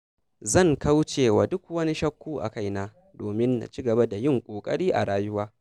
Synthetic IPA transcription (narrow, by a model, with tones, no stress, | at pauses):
zɐ˦˨ŋkʰa˦wt͡ʃeː˨waː˨dʊ˦kwɐ˦ni˦ʃɐ˦kʷːuː˦ʔa̰˨ka˦˨jnaː˦ | doː˨mɪ˦nːa̰˨t͡ʃi˦ɡɐ˨ba˦da˨jɪ˦˨ŋkʷʼoː˨kʼɐ̰˦ɽiː˦ʔa̰˨ɽaː˦jʊ˦waː˦